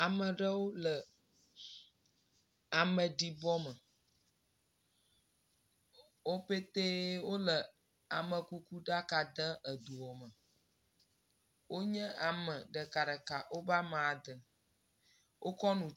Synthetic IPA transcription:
a˨mə˨ɖə˦wo˦lə˨ | a˨mə̃˨ɖi˨bɔ˦mə˨ | wo˦ɸe˦t̪e˦wo˦lə˨ | a˨mə̃˨ku˦ku˦ɖa˦ka˨d̪ə̃˦ə˨d̪u˨wɔ˨mə˨ | wo˦ɲɛ̃˦a˨mə˨ɖə˨ka˨ɖə˨ka˨ʔwo˦ba˦mã˨d̪ə˨ | wʔo˦kɔ˦nũ˨

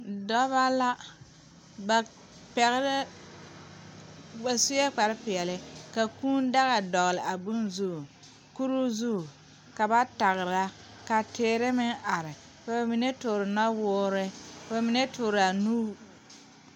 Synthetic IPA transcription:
dɔ˦βa˦la˦ | ba˨ | pɛ˨ɣɪ˦ɾɪ˦ | ba˨su˦jɛ˦k͡pa˨ɾɪ˦pɪ˨ɛ˨lɪ˦ka˨kuː˦n˦da˦ɣa˨dɔ˨ɣlɪ˨ʔa˨bʊ˦nzu˦˨ | ku˦ɾu˦zu˦˨ | ka˨ba˦ta˨ɣɪ˨ɾa˦ | ka˨tɪː˨˦ɾɪ˦mɪ˦ŋʔa˨ɾɪ˨ | ka˨ba˨mi˨ne˦tʊ˨ɾɪ˨na˦wʊː˦ɾɪ˦kba˨mi˨ne˦tʊː˨ɾa˨nuː˦

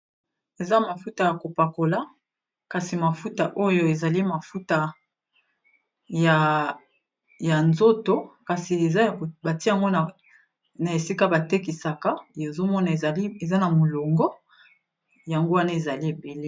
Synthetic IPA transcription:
e˨za˦ma˨fu˦ta˨ja˨ko˨pa˨ko˨la˦ | ka˨si˨ma˨fu˦ta˨ʔo˦jo˦e˨za˨li˦ma˨fu˦ta˦ | ja˨ | ja˨nzo˦to˨˦ka˨si˨e˨za˦˨ba˨ti˦a˨ŋɡo˦na˨ | na˨e˨si˦ka˦ba˨te˦k̬i˨sa˨ka˦e˨zo˦mɔ˦na˨˦e˨za˦na˨mo˨lo˨ŋɡɔ˦ | ja˨ŋɡo˦wa˦na˦e˨za˨li˦e˨be˨le˦

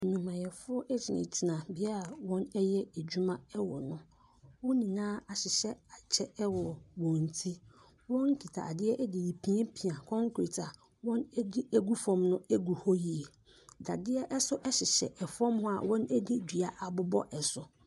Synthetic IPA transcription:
nũ˨mã˨jɛ˨fʊ˦ɔ˦ʔɛ˦d͡ʑʰɪ˨nɪ̰̃˨tʰi˨nã˨bɪ˨˦a˦ɾa˨wɔ̃˦nɛ˦jɛ˦e˨d͡ʑᶣu˦mã˦ɛ˦wɔ̰˨nʊ̃˦ | wɔ̃˦nĩ˨nãː˦a˨ɕɪ˨ɕɛ˦a˨t͡ɕʰɛ˦ɛ˦wɔ˨wɔ̃˨n˨tʰi˦ | wɔ̃˦ŋ̩˦kʰi˨tʰa̰˨a˨dɪ˦ɛ˦ʔɛ˦dɪ˨ji˨pʰĩ˦e˦pʰi˨ã˨kʰɔ̃˦ŋkʰɾe˨tʰa˨ | wɔ̃˦nɛ˦di˦æ˦ɡu˦fɔ̃˨˦mnʊ̃˦æ˦ɡu˨hɔ˦ji˨e˨ | da̰˨dɪ˦ɛ˦ʔɛ˦sʊ˦ʔɛ˦ɕɪ˨ɕɛ̰˨ʔɛ˨fɔ̃˦mhʊ̃˦a̰˨wɔ̃˦nɛ˦di˦di˨a˨ʔa˨bʊ˦bɔ̰˦ʔɛ˨sʊ˨

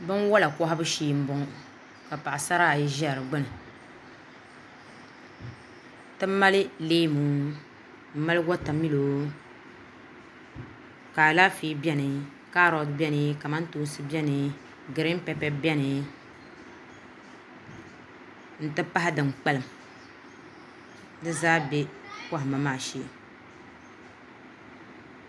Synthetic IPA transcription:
bɨ˦nwɔ˦la˨kɔ˦ɦa˦bɨ˦ʃiː˦m̩˦bɔ˨˦ŋ˦ | ka˨pa˨ʔa˨sa˦ɾa˦˨ji˦ʒɛ˦˨ɾɨ˨ɡ͡bɨ˦nɨ˨ | tɨ˦m˦ma˦lɨ˦leː˦mu˨˦ | m̩˦ma˦lɨ˦ɡɔ˦ta˨mi˦lo˨ | ka˨la˦fi˦bɛ˦nɨ˨ | ka˦ɾɔ˨dbɛ˦nɨ˦ka˨ma˦n˦tuː˦sɨ˦bɛ˦nɨ˨ | ɡɨ˨ɾɪ˦m˦pɛ˨pɛ˦bɛ˦nɨ˨ | n̩˨tɨ˦pa˦ɦɪ˦dɨ˨mk͡pɛ˦lɨ˨m | dɨ˦zaː˦bɛ˦kɔ˦ɦɪ˨ma˨maː˨ʃeː˦˨

